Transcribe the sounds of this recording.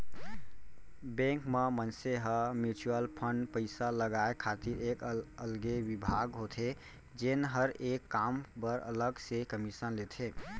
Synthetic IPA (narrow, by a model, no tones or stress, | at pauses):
bẽŋkmemənseɦəmjut͡ʃuəlpʰəɳɖpəɪsaləɡaekʰat̪iɾekəlɡeʋibʱaɡɦot̪ʰe | d͡ʒenɦəɾekːampəɾə̰ləɡsekəmisənlet̪ʰe